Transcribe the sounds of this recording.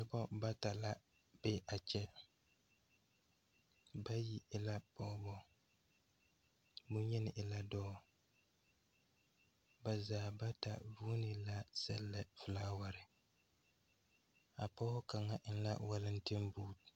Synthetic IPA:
ɪ˦bɔ˦ba˦ta˨la˦ | b̥e˦ʔa˨t͡ʃɛ˦ | ba˦ji˦ɪ˦la˦pɔ˦bɔ˦ | bʊ˦ɲɛ˦nɪ˨ʔɪ˨la˦dɔː˦˨ | ba˨zaː˨ba˦ta̰˨vuː˦nɪ˨la˦sɛ˨lːa˨fɨ˨laː˦wa˨ɾɪ˨ | a˨pɔ˦hʊ˦ka˨ŋa˦˨ʔɪ˦n˦la̰˦wa˦lɪ˦n̩˦tɪ˦mbuː˦˨t

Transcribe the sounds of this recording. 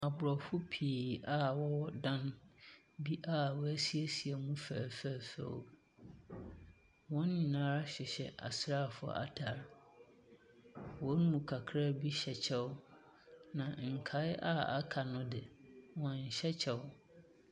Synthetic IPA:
a˨bʊ˨ɾɔ˨fʊ˦pʰi˨a˦wɔ˦ɔ˦dã˦n | bi˦ʔa˦wɔ˦æ˦si˦e˦si˨e˨mũ˦fæ̰ː˨fæ˨fæ̰˨w | wɔ̃˦nɲĩ˨nã˦ɾa˦ɕᶣɪ˨ɕɛ̰˨ʔa̰˨sɾa˦˨fʊ̰˨ʔa̰˨tʰa˨ɾ | wɔ˦nũ˨kʰa˨kʰɾa˦bi˦ɕɛ˨t͡ɕʰɛ˦wʊ˦ | nã˨ŋ̩˨kʰa˨˦ɪ˦ʔa̰˦a̰˦kʰa˨nʊ̃˦dɪ˨wɔ̃˨ɲ̩˨ɕɛ˦t͡ɕʰɛ˨w

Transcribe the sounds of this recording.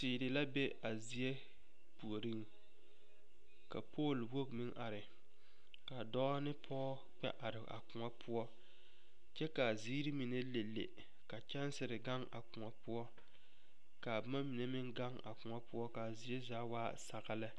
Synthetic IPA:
siː˨ɾɪ˨la˦be˦ʔa˨zi˨e˦ | pu˨o˨ɾi˦ŋ | ka˨pʰoː˦˨lwo˦kmɪ˦ŋʔa˨ɾɪ˨ | ka˨dɔ˦nɪ˦pʰɔː˦ | k͡pɛ̰˦ʔa˨ɾɪ˨a̰˨kʊ˨ŋa˦pʰʊ˦ɔ˦ | t͡ʃɛ˦ka˨ziː˦ɾɪ˦mi˨ne˦le˨lːḛ˨ | ka˨t͡ʃɛ˦n˦sɪ˨ɾɪ˨ɡa˦ŋʔa̰˨kʊ˨ŋa˨pʊ˦ɔ˦ | ka˨ba˦ma˦mi˨ne˦mɪ˦ŋɡa˦ŋa̰˨kʊ˨ŋa˦pʊ˦ɔ˦ka˨zi˨˦e˦zaː˨˦waː˦sa˨ɣa˦lɪ˦

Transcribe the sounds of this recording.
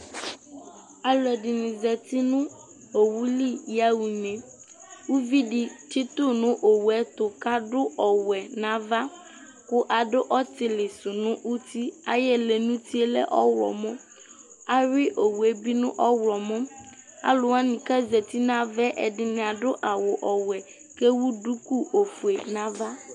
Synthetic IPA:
a˨lɛ˨ɖɪ˨nĩ˨zɛ˨t̪i˦nʊ̃˦ | o˨wu˦li˦ja˦wu˨ɲɛ̃˨ | wu˦vi˦ɖi˨ti˦t̪ʊ˦nʊ̃˦ʔo˨wu˨ɛ˦t̪ʊ˨ka˦ɖʊ˦ʔɔ˨wɛ˨nã˦va˦ | kʊ˦ʔa˨ɖʊ˦ʔɔ˦t̪ɪ˨lɪ˨sʊ˨nʊ̃˦ʔu˦t̪i˦a˦jɛ˦le˨nũ˦t̪i˦e˦lɛ̰˦ʔɔ˦wlɔ̰˨mʊ̃˦ | a˦ɾɪ˦ʔo˨wu˨ɛ˦bi˦nʊ̃˦ʔɔ˦wlɔ˨mʊ̃˦ | a̰˨lʊ˨wa˦nĩ˨ka˦zɛ˨t̪i˦nã˦vɛ˦ʔɛ˨dɪ˦nɪ̃˨a˨dʊ˦ʔa˨wʊ˨ʔɔ˨wɛ˨ | ke˦wu˦du˦ku˦ʔo˨fu˨e˨nã˦va˦

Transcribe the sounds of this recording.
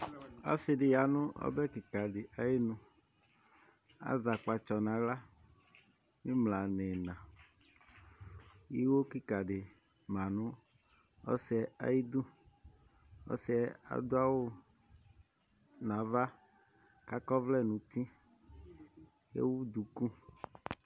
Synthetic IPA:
ɔ̰˦sɪ˨dɪ˨ja˨nʊ̃˦ʔɔ̰˦bɛ˦ki˨ka˨dɪ˨ʔa˨ji˦nũ˨ | a̰˦za˨k͡pa˨t͡ʃɔ˨nã˨la˦ | mi˦mla˨ne˨nã˨ | ji˦wo˦ki˦ka˨dɪ˨ | mã˨nʊ̃˦ | ɔ̰˦sɛ˨a̰˨ji˦d̪u˦ | ɔ̰˦sɛ˨a̰˨d̪ʊ˦a˦wo˦ | nã˨va˦ | ka˦kɔ˦vlɛ˦nũ˨t̪i˦ | jḛ˦wu˦d̪u˨ku˦

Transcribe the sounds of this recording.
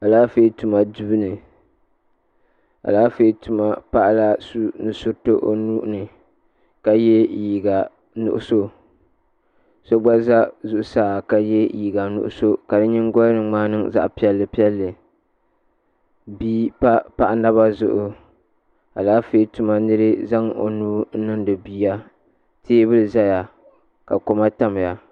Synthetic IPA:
a˨laː˦fe˦tu˨ma˨du˦bɨ˦nɨ˨ | a̰˨laː˦fe˦tu˨ma˦pa˦ʔla˦su˦nɨ˨sʊ˦ɾto˦ʔo̰˦nu˦ʔʊ˦nɨ˨ | ka˨jɛ˦ji˨ɡa˨ | nʊ̰˨ʔʊ˨so˦ | so˦ɡ͡ba˦za˦zʊ˨ʔʊ˨saː˦˨ka˨jɛ˦ji˨ɡa˨nʊ̰˨ʔʊ̰˦so˦ka˨dɨ˦ɲɪ˦ŋ˦ɡɔ˦lnɨ˨ŋ͡maː˦nɨ˦ŋza̰˦ʔpi˦ɛ˦lːɨ˨pi˦ɛ˦lːɨ˨ | biː˦pa˦pa˨ʔna˦βa˦zʊ˦ʔʊ˨ | a̰˨laː˦feː˦tu˨ma˦nɨ˦ɾɨ˦za˦ŋo̰˨nuː˦n̩˦nɨ˦ŋdɨ˨biː˨ja˦ | tʰeː˦bɨ˦lɨ˨za˦ja˨ | ka˨ko˨ma˦ta˦m˨ja˨

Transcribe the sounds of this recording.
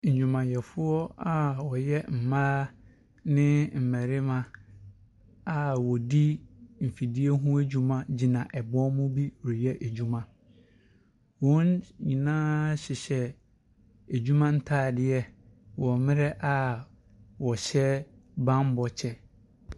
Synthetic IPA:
ɲ̩˨d͡ʑᶣũ˨mã˨jɛ˨fʊ˦ɔ˦a˦wɔ˨jɛ˦m̩˨mãː˦ | nɪ̃˦m̩˨mæ˨ɾɪ˦mã˦ | a˨wɔ˨di˦m̩˨fi˨di˦ɛ˦ɦũ˦æ˦d͡ʑᶣũ˦mã˦d͡ʑi˨nã˨ʔɛ˨bɔ˦mʊ̃˦bi˦wjɛ˦ʔæ˨d͡ʑu˦mã˨ | wɔ̃˨˦nɲĩ˨nãː˦ɕɪ˨ɕɛ˦ | æ˨d͡ʑᶣu˦mã˦n̩˦tʰaː˦˨dɪ˦ɛ˦ | wɔ˨mɪ̃˦ɾɛ˦ʔa˦ | wɔ˨ɕɛ˦bã˦m˦bɔ˨t͡ɕʰɛ˦

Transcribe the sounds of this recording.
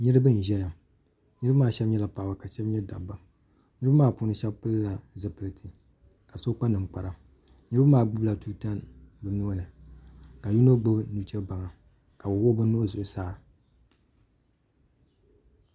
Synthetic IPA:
ɲɨ˦ɾɨ˦bɨ˦n̩˨ʒɛ˦ja˨ | ɲɨ˦ɾbmaː˦˨ʃɛ˦bɲɛ˦la˨pa˨a˨ba˨ka˨ʃɛ˦bɲɛ˦da̰˨ba˨ | ɲ˦ɾɨ˦ba˦maː˦pʊ˦nɨ˦ʃɛ˦bpɨ˦lla˨zɨ˨pɨ˨lɨ˨tʰi˨ | ka˨so˦k͡pa˦nɨ˨ŋ˨k͡pa˨ɾa˦ | ɲɨ˦ɾɨ˦bɨ˦maː˦˨bɨ˦bla˨tu˦ta˦nbɨ˨nu˦nɨ˨ka˨ju˦no˦ɡ͡bo˦bnu˨˦t͡ʃɛ˦ba˨ŋa˨ | ka˨bo˨wo˦bɨ˦nu˦o˦zʊ˨ʔsaː˦˨

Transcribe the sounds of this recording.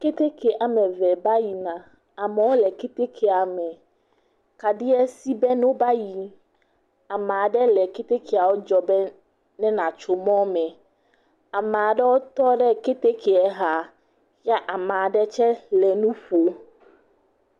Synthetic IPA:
ke˦t̪e˦kʰe˨ʔa˨mɛ̃˨vɛ˨ba˦ji˨nã˨ | a˨mɛ˨wo˦lɛ˨ke˦t̪e˦kʰɛ˨a˨mɛ̃˨ | ka˨di˦ɛ˦si˦bɛ˦nõ˦ba˦ji˨ | a˨mã˨ɖɛ˦lɛ˨ke˦t̪e˦kʰe˨a˨wo˦d͡ʒɔ˨bɛ˦ | nɛ̃˦nã˨t͡ʃo˨mɔ̃˦mɛ̃˨ | a˨mã˨ɖɛ˦wo˦t̪ɔ˦ɖɛ˦ke˦t̪e˦kʰe˨ɛ˨ɦa˨ | ja˦ʔa˨mã˨ɖɛ˦t͡ʃɛ˦lɛ˨nũ˦ɸo˨

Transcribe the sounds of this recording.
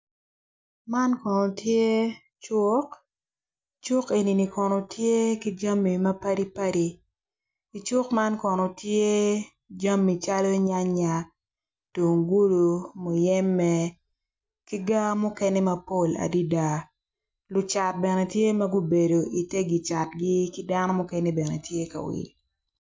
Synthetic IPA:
ma˦nkɔ˨nɔ˨tʰje˦ | t͡ʃʊ˦k | t͡ʃʊ˦ke˨ni˨ni˨kɔ˨no˨tje˦ki˦d͡ʒa˦mːi˨mɐ˦pa˦ɾi˦pa˦ɾi˨ | i˨t͡ʃʊ˦kma˦nkɔ˨nɔ˨tje˦ | d͡ʒa˦mːi˨t͡ʃa˦lɔ˦ɲa˦ɲa˨ | tu˨ŋɡu˦lu˨mo˨jɛ˦mːɛ˦ | ki˦ɡa˦mʊ˦kɛ˦nɛ˦mɐ˨po˦la̰˨di˦da˦ | lʊ˨t͡ʃa˨t̚bɛ˨nɛ˨tje˦mɐ˦ɡu˦be˨do˨i˨te˦ɡi˨t͡ʃa˨tɡɪ˦ki˦da˦nɔ˦mʊ˦kɛ˦nɛ˦bɛ˨nɛ˨tje˦ka̰˨wḭ˨l

